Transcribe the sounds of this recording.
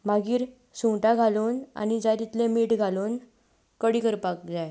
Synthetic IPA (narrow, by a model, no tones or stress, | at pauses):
maɡiːɾ | sũwʈaɡʱalona̰ñid͡zat̪it̪lemiːʈɡʱalon | kəɽiːkəɾpak̚d͡zaj